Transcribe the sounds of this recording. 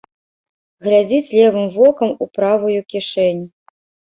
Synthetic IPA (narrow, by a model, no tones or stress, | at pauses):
ɣlʲad͡zʲit͡sʲlʲɛvɨmvɔkɐmupɾavɐjukʲiʂɛnʲ